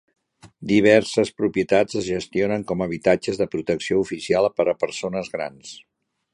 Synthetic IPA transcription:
d̪iβ̞ɛɾsəspɾupiət̪ad͡zəzʒəst̪ionəŋkɔməβ̞it̪ad͡ʒəzðəpɾut̪əksioufisialˠpəɾəpəɾsonəzɣɾa̰ns

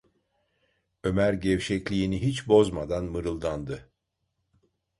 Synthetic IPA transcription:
ø̞mæɾɟɛvʃɛclʲiːniɦit͡ʃbo̞zmad̪anmɯɾɯlˠd̪and̪ɯ

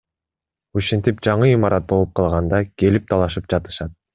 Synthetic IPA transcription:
uʃent̪ip̚d͡ʒɑɴɯimɑɾʔɑt̪̚bo̞lˠup̚qʰɑlˠʁɑnd̪ɑke̞lip̚t̪ʰɑlˠɑʃɯp̚d͡ʒɑt̪ɯ̥ʃɑt̪̚

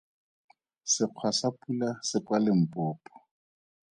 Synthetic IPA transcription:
sɪq͡χʰwasapʼulasɪkwalɪm̩pʼʊːpʼɔ̥

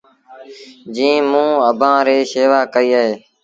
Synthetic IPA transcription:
d͡ʒĩːmũːəbʱãːɾeːseːʋaːkəiːəɦeː

